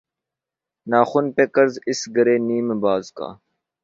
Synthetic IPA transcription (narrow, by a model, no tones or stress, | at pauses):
naːxʊnpeːkəɾzɪsɡəɾeːniːmebaːzka̰ː